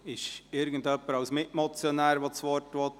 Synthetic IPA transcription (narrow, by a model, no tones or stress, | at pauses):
ɪʃɪɾɡən̩dœpːəɾɑwsmɪtmɔt͡sjonæːɾʋot͡sʋɔɾtʋo